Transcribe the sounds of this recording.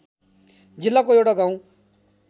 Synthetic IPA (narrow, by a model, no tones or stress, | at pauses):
d͡ʒɪlːaːkojeːɽaːɡãːũ